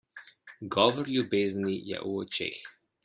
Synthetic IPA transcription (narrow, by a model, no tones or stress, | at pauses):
ɡɔʋɔɾlʲjubeːznijɛ̰ʔuɔt͡ʃḛːx